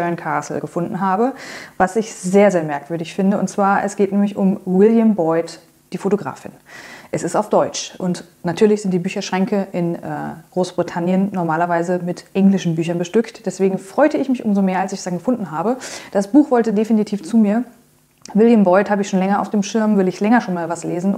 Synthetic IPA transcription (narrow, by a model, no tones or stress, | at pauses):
bœɐnkʰaɐsl̩ɡ̥əfʊndn̩ɦaːbəvasɪçzeːɐzeːɐmɛɐkv̥ʏɐdɪçfɪndəʊ̰ntt͡sv̥aːɐʔɛsɡ̥eːtnɛːmɪçʊmwɪljambɔʏt | d̥iːfotoɡʁa̰ːfɪ̰nʔɛsɪstaʊfd̥ɔʏt͡ʃʔʊnt | natʰyːɐlɪçz̥ɪntd̥iːbyːçɐʃʁ̥ɛŋkəʔɪnʔɛ̰ːɡ̥ʁoːsb̥ʁitʰanjənnɔɐmaːlɐvaɪzəmɪtʔɛŋlɪʃn̩byːçɐnbəʃtʏktd̥ɛsv̥eːɡŋ̩fʁ̥ɔʏtəɪçmɪçʔʊ̰mzomeːɐalsɪç̥d̥anɡəfʊndn̩ɦaːbəd̥asb̥uːxv̥ɔltədefinitʰiːft͡suːmiːɐ | vɪljəmbɔʏthaːbəɪçʃoːnlɛŋɐaʊfd̥eːmʃɪɐmvɪɐdəɪçlɛŋɐʃoːnmaːlvasleːzn̩